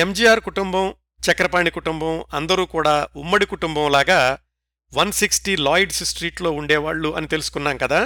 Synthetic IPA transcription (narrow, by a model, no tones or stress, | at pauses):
emd͡ʒiːjaːɾkuʈumbɐm | t͡ʃɐkɐɾɐpaːɳikuʈumbɐmɐnd̪ɐɾuːkuːɽaːumːɐɽikuʈumbɐmlaːɡaː | ʋɐnsiksʈilaːjɖssʈɾiːʈlo̞ːuɳɖɛːʋaːɭːuʔɐ̰nit̪e̞lusu̥kunːaːmkɐd̪aː